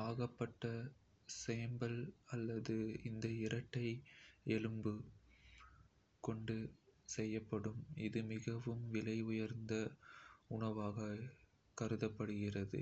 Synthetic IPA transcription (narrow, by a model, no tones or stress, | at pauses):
aːɣɐpːɐʈːɐ | seːmbɐlɐlːɐðɯɪnd̪ɐɪɾɐʈːɐɪɛlɯmbɯ | kɔɳɖɯsɛjːɐpːɐɽɯmɪðɯmɪɣɐʋɯmʋɪlɐɪʊjɐɾnd̪ɐʊɳɐʋaːɣɐ | kɐɾɯðɐpːɐɽɯɣɪrɐðɯ̰